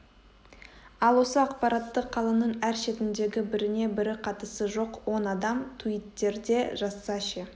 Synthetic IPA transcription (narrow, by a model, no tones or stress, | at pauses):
ɑlˠwo̞səɑqpɑɾɑt̪ːəqʰːɑlˠɑnəɴæɾʃe̞t̪ɪnd̪e̞ɡʲɪbɪɾɪne̞bɪɾɪqʰɑt̪əsəʒo̞qwo̞nɑd̪ɑmt̪ʰuit̪ːe̞ɾd̪e̞ʒɑsːɑʃe